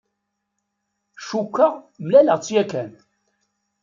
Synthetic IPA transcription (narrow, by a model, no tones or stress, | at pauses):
ʃukːəʁmlæləʁt͡sːjækæn